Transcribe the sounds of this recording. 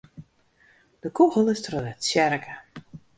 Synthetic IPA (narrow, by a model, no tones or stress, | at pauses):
d̥əkuɣəlˠɪstrodɛtsjɛɾkʰə